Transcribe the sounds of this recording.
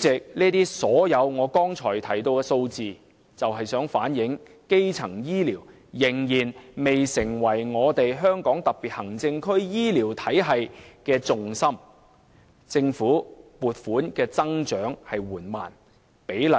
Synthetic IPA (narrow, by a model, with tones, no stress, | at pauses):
t͡sɪ˨k̚niː˥t̪iː˥sɔː˨˥jɐ˨˧wŋɔː˨˧kɔː˥ŋt͡sʰɔː˨˩jt̪ʰɐ˨˩jt̪̬o˧wkɛː˧so˧wt͡siː˨˧ | t͡sɐ˨wɦɐ˨jsœː˨˥ŋfa̰ː˨˥njɪ˨˥ŋ | ke˥jt͡sʰɐ˨˩ŋjiː˥liː˨˩w | jɪ˨˩ŋjiː˨˩nme˨jsɪ˨˩ŋwɐ˨˩jŋɔː˨˧t̪e˨jɦœː˥ŋkɔː˨˥ŋt̪ɐ˨k̚piː˨˩t̚hɐ˨˩ŋt͡sɪ˧ŋkʰɵ˥ɥjiː˥liː˨˩wt̪ʰɐ˨˥jɦɐ˨jkɛː˧t͡sʊ˨ŋsɐ˥m | t͡sɪ˧ŋfuː˨˥puː˨t̚fuː˨˥nkɛː˧t͡sɐ˥ŋt͡ʃœː˨˥ŋhɐ˨jwuː˨˩nma̰ː˨˩n | pe˨˥jlɐ˨